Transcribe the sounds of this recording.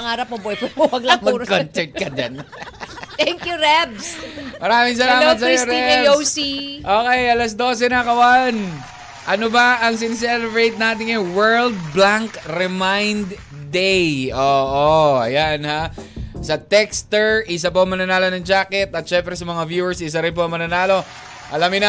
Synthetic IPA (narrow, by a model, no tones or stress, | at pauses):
ɐŋaːɾɐp̚mobojpopowɐɡlaŋmɐuɡkonsɛt̪kɐd͡ʒɐn | t̪ɛŋkjuɾɛbsmɐɾaːmɪŋs̬ɐlaːmɐt̪̚s̬ɐjotɾiɛowsiʔoːkɛjʔɐlɐs̬d̪o̞ːsɛnɐkɐwan | ʔɐnobɐʔɐŋs̬ɪns̬ɛlɛbɾejt̪̚naːt̪̬ɪŋɛwɛɹld̪̚blaŋkɾɛmajnd̪ | d̪ɛjʔoːʔoʔɐjanhasɐt̪ɛkst̪ɛɹʔɪs̬ap̬oɐŋmɐnɐnaːlonɐŋd͡ʒaːkɛt̪ɐt̪ʃɛmpɾɛsɐmɐŋavjuɛɹsɪs̬aɾɪnp̬oɐŋmɐnɐnaːlo̞ | ʔɐlamɪnɐ